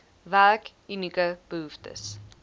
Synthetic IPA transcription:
værk | ynikəb̥əɦuftə̰s

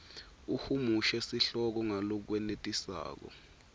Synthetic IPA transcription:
uhumuʃɛsiɬɔk̬ɔŋalɔk̬wɛnetʼisa̰ːk̬ɔ̰

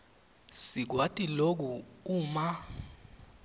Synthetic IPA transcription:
sik̬watʼilok̬uuːma

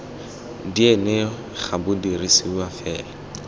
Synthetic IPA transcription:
dienɪ | χʰabʊdirisɪuafɛːla

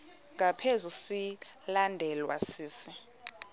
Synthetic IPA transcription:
ŋɡʱapʰezusilandʱɛlwa̰siːsi

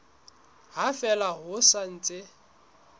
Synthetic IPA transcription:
ɦafɛlaɦʊsan̩ːt͡sʼɪ

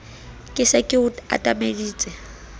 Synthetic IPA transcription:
kʼɪsɛkʼɪʊa̰tʼamediːt͡sʼɛ

